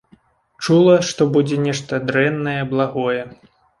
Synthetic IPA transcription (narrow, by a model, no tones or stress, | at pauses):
t͡ʂulˠɐʂt̪ɔbud͡zʲɛnʲɛʂt̪ɐd̪ɾɛnːɐjɛblˠaɣɔjɛ